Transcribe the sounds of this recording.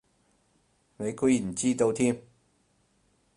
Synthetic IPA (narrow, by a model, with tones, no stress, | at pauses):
ne˨˧˥kʰu˥˩˨t͡ɕiː˥t̪o˧wt̪ʰi˥m